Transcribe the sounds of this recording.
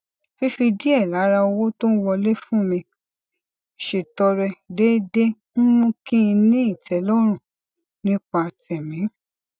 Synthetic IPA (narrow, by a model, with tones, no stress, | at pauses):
fi˦fi˧di˦ɛ˦˨la˨˦ɾa˧o˧wo˦to˦n̩˦wɔ˧le˦fũ˦˨mĩ˧ | ʃe˨tɔ˧ɾɛ˧de˦de˦ | n̩˦mũ˦kĩ˦˧nĩ˦i˦˨tɛ˨˦lɔ˦ɾ̃ũ˦˨ | nĩ˦k͡pa˧˨tɛ˨mĩ˨˦